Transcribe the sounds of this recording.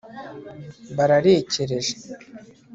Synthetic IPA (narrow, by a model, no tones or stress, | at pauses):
baɾaɾeːceɾe̞ʒe